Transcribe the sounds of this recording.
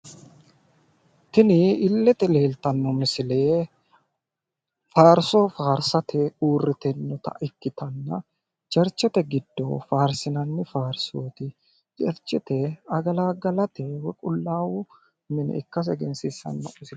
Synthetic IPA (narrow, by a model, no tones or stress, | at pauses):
t̪ɪnɪɪlːɛt̪ɛle̞ːlt̪ɐnːɔmɪsɪle̞ː | faːɾsofaːɾsɐt̪ʰɛuːrːɪt̪ɛnːɔt̪ɐ̰ʔɪkːɪt̪ɐnːɐ | d͡ʒɛɾt͡ʃːɛt̪ɛɡɪd̪̥ːo̰faːɾsɪnɐnːɪfaːɾsoːt̪ɪ | d͡ʒɛɾt͡ʃːɛt̪ɛɐɡɐlaːɡɐlɐt̪ɛwɛkʼʊlːaːwu | mɪnɛ̰ɪkːɐs̬ɛɡɛnsɪsɐ̰nːɐmɪsɪ